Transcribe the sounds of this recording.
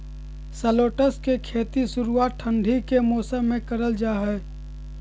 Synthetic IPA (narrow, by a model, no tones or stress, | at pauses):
səloːʈəskekʰeːt̪isʊɾuaːt̪̚ʈʰːə̃ɳɖʱikemoːsəmːẽkɐɾəld͡ʒaːɦɛː